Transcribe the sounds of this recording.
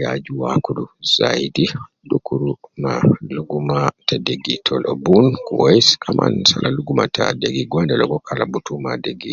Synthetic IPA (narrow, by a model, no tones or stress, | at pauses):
jad͡ʒuwakuɗuz̥ajdi | ɗukuɾumaluɡumatadeɡitʰɔlʔɔbunkuwoiskʰama̰nsalʔaluɡumatʰadeɡiɡɔndɛlɔɡɔkʰalabutumadeɡi